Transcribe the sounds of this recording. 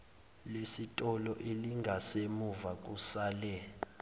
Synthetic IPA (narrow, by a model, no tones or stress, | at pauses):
lesitʼɔlɔʔeliŋɡʱasemuvak̬ʼusaːlɛ